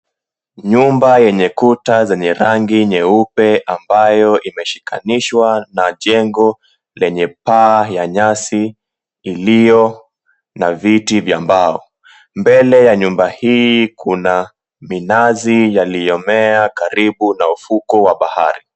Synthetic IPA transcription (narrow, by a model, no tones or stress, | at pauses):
ɲumbajɛɲɛkutazɛɲɛɾaŋɡiɲɛupɛʔambajɔʔimɛʃi̥kʰa̰niʃwanaʄɛŋɡɔ | lɛɲɛpaːjaɲasiː | lijɔ | navitivjambaɔ | mbɛlɛjaɲumbahiːkʰuna | minazijalijɔmɛakaɾiɓunaufukɔwaɓaha̰ɾi